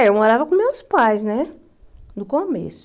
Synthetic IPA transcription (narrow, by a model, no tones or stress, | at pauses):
ewmoɾavɐkõmewspajznɛ | d̪ʊkomḛsʊ̥